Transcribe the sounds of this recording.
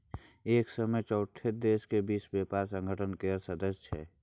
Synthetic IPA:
eːksəməjt͡ʃɔːʈʰːed̪eːskebiːsbeːpaːɾsə̃ŋɡʱəʈʰənkeːəɾsəd̪əst͡ʃʰɛ̰ː

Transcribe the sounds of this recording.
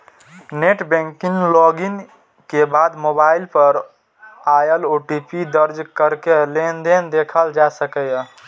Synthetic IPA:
neʈbɛ̃ŋkiŋɡlɔɡin | kebad̪mobailpəɾ | ajəloʈipid̪əɾd͡ʒkəɾkelend̪end̪ekʰəld͡ʒasəkəj

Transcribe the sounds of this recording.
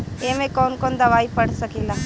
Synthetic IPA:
eːmẽkoːnkond̪ɐʋaːipəɽsəkila

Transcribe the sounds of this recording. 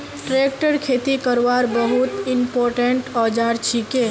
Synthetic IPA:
ʈɾeːkʈəɾkʰeːt̪ikəɾʋaːɾbəɦut̪ɪmpoːɾʈeɳʈɔːd͡ʒaːɾt͡ʃʰike

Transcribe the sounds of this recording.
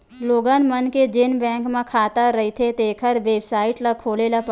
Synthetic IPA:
loːɡanmənked͡ʒeːnbɛ̃ːŋkmãkʰaːt̪aɾɐɦit̪ʰet̪eːkʰəɾʋeːbsaːɪʈlakʰoːleːlap

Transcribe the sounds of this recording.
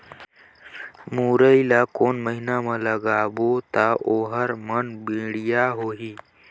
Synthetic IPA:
muːɾəilakoːnməɦinamələɡabot̪aʔoɦəɾmənbiɽjaɦoːɦiː

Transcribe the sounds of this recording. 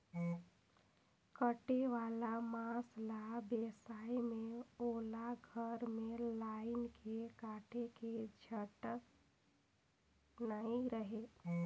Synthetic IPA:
kəʈeʋalamãslabesaimeolaɡʱəɾmelaɪnkʰekaʈʰeked͡ʒʱəʈək | naiɾəɦe

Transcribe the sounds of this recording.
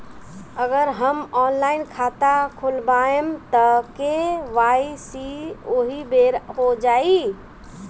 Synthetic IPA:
əɡəɾɦəmɔnlainkʰat̪akʰolbaemt̪əkeʋaisioɦibeɾɦod͡ʒai

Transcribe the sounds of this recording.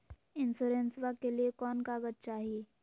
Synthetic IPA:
ɪnsuːɾẽnsʋakeliekɔːnkaɡət̪̚t͡ʃaːɦieː

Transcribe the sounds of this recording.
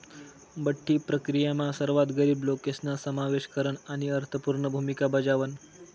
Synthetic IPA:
bəʈʰːiːpɾəkɾijamasəɾʋat̪ɡəɾiːblokesnasəmaʋeɕkəɾəɳaɽ̃iəɾt̪ʰəpuɾɳəbʱumikabəd͡ʑaʋən

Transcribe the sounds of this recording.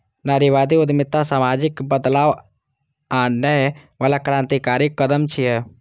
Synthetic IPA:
naːɾiʋaːd̪iʊd̪mɪt̪ːasaːmaːd͡ʒɪkbəd̪laːʋ | aːnːəʋaːlakɾãːnt̪ikaːɾikːəd̪əmt͡ʃʰiɛ

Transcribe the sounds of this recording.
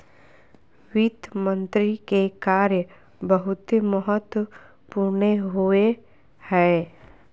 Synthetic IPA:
wɪd̪mə̃nt̪ɾikekaːɾjə | bəɦʊt̪məɦət̪wə | puɾneɦue | hɛː

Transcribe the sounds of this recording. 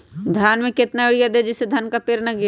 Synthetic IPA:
d̪ʱjaːnmẽkɪt̪naɪɽijad̪ed͡ʒɪsːed̪ʱankapeːɾnɐɡe

